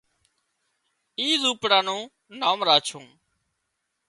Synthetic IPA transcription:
iːzuːpɽãːnũː | naːmɾaːt͡ʃʰõː

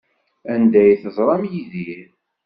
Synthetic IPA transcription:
ænd̪æjθəzˤɾˤɑmjiðiɾ

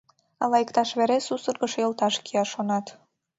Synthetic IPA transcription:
ɑlɑjəkt̪ɑʃβeɾesusərɣəʃjəlˠt̪ɑʃkʰiɑʃonɑt̪

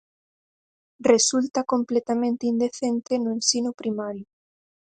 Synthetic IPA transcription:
result̪akomplet̪amẽnt̪eind̪eθent̪enʊensinʊpɾimaɾjʊ

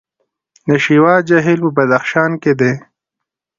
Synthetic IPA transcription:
nəʃiwɑːd͡ʒaɦilpəbɐd̪axʃɑːnked̪e

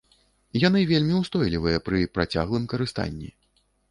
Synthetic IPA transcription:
jan̪ɨvʲelʲmʲiwst̪ɔjlʲivɨjɐpɾɨpɾat͡sʲa̰ɣlˠɨmkɐɾɨst̪a̰nʲːḭ

